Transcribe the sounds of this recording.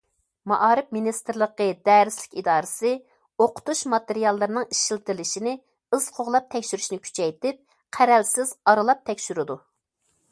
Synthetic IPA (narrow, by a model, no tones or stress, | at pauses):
mɑʔɑːɾɪpminist̪ɨɾlˠəqəd̪ɛːɾɪslɪ̥kʲid̪ɑːɾɨsɨ | oqʰʊ̥t̪uʃmɑt̪eɾijɑlˠːɨɾnɨŋiʃilt̪lɪʃinɪ | ɨz̥qʰoʁlˠɑp̚t̪ʰɛkʲʃyɾyʃnɪkʲʰy̥t͡ʃʰɛjt̪ɪp̚ | qʰæɾɛlsɪzɑɾɨlˠɑp̚t̪ʰɛkʲʃyɾɪd̪u